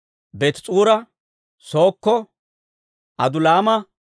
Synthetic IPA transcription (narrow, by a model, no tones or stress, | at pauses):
bɛt̪t͡sʼuːɾɐ | so̞ːkːɔ | ʔɐd̪ʊlaːmɐ